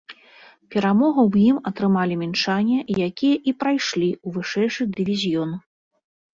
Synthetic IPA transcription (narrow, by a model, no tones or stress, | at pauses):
pʲɛɾamɔɣɐwjimɐt̪ɾɨmalʲimʲint͡ʂanʲːɐjakʲijɐʔipɾajʂlʲiuvɨʂɛjʂɨd̪ɨvʲizʲjɔn